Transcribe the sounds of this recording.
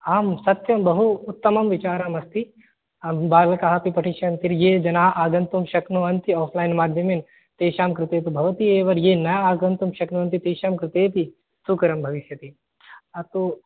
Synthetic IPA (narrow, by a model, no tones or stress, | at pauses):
aːmsɐt̪jɐmbɐɦuːt̪ːɐmɐmʋit͡ʃaːɾamɐst̪i | baːɾlɐkaɦapipɐʈʰiʃɐnt̪iɾjeːd͡ʒɐnaːʔaːɡɐnt̪umʃɐknuɐnt̪iɔːpʰlaːjnmaːd̪ʱjɐmeːn | t̪eːʃaːmkɾɪt̪eːt̪ubʱɐʋɐt̪ieːʋɐɾjeːnɐjaaːɡɐnt̪umʃɐknuɐnt̪it̪eːʃaːmkɾɪt̪eːt̪i | sukɐɾɐmbʱɐʋiʃjɐt̪i | ɐt̪o